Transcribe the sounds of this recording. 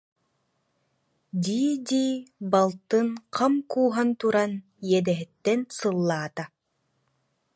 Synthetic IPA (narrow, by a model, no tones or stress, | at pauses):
d̪iːd̪iːbalˠt̪ɯnqʰamkuːɦant̪uɾan | jɛd̪ɛɦɛt̪ːɛnsɯlˠːaːt̪a